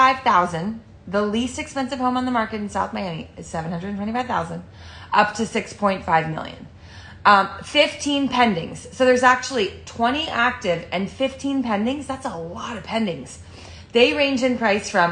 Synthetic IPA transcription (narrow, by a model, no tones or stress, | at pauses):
aɪv̥θaʊzɨ̃n | ðəlistɨkspɛ̃nsɨv̥hõʊ̃mə̃nðəmɑɹkɨɾn̩saʊθmaɪænḭɨz̥sɛvnhʌ̃nɹədⁿn̩tʰwɛ̃ifaɪv̥θaʊzɨ̃nd | ʌp̚tʰɨsɪkspʰɔ̃ɪ̃ntfaɪvmɪ̰lˠjɨ̰̃n | fɪftʰĩnpʰɛ̃ndɪ̃ŋz̥soʊðə˞zæk̚t͡ʃul̩ˠitʰw̥ɛ̃ɾ̃iʔæk̚tɪvɨ̃nfɪftʰĩnpʰɛ̃ndɪ̃ŋzðætsəlɔɾʌv̥pʰɛ̃ndɪ̃ŋz̥ | ðeɪɹẽɪ̃nd͡ʒɨ̃npʰɹ̥aɪsfɹʌ̃m